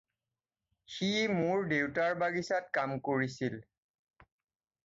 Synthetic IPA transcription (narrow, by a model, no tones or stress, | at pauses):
ximʊɹdewtaɹbaɡisatkamkoɹisil